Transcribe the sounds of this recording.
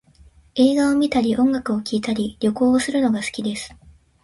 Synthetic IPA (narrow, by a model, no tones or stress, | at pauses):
e̞ːɡaomʲit̪aɾʲiʔõ̞ŋɡakɯ̟o̞kʲiːt̪aɾʲiɾʲo̞ko̞ːosɨɾɯ̟no̞ɡasɨ̥kʲid̪e̞sɨ̥